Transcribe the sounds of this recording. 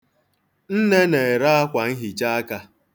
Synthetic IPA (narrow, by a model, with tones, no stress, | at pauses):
n̩˦ne˦ne˨ɾa˦a˦kʷa˨ŋ̩˦ɦi˨t͡ʃa˦a˦ka˦